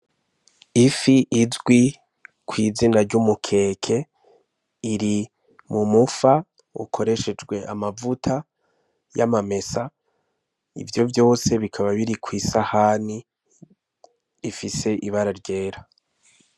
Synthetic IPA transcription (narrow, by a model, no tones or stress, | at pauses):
ifiʔizɡwi | kwiːzinaɾɟumukʰe̞ːkʰe̞ | iɾi | mumufa | ṵkʰo̞ɾe̞ʃe̞d͡ʒɡwe̞ʔa̰mavutʰa | jamame̞sa | ḭvjo̞vjo̞ːse̞βikʰaβaβiɾikwiːsahani | ifise̞ʔiβaɾaɾɟe̞ːɾa